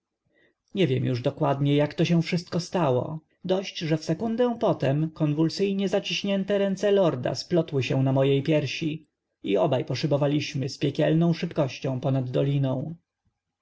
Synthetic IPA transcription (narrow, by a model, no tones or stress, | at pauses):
ɲɛvʲjɛmjuʐd̪ɔkwad̪ɲɛjakt̪ɔɕɛw̃fʂɘst̪̚kɔst̪awɔ̰ | d̪ɔɕt͡ɕʐɛfsɛkund̪ɛw̃pɔt̪ɛmkɔnvulsɘjɲɛzat͡ɕiɕɲɛnt̪ɛɾɛnt̪sɛlɔɾd̪a̰splɔt̪wɘɕɛ̃namɔjejpʲjɛɾɕi | iɔbajpɔʂɘbɔvalʲiɕmɘspʲjɛkʲɛlnɔ̃w̃ʂɘpkɔɕt͡ɕɔ̃w̃pɔnad̪ːɔlʲinɔ̃w̃